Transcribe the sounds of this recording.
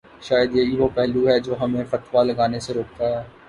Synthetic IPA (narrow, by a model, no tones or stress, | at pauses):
ʃaːjəd̪jeɦiʋopɛɦluɦɛd͡ʒoːɦɐmẽfɐt̪ʰʋalɐɡaːneseɾoːk̚t̪aɦɛː